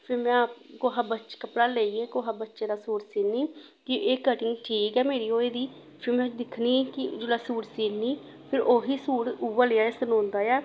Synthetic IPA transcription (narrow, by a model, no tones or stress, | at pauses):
pʰɪɾmɛ̃ːkoːɦaːbətːt͡ʃʃkəpɽaːleːiːeːkoːɦaːbətːʃeːd̪aːsuːɾsiːnːiː | kɪʔeːkəʈɪŋɡʈʰiːkɛːmeːɾiːoːeːd̪iː | pʰɪɾmɛ̃ːd̪ɪkʰniːkɪd͡ʒʊlaːsuːɾsiːniː | pʰɪɾʔoːɦiːsuːɾuʋəlɪjaːɪsənõːnd̪aːjaː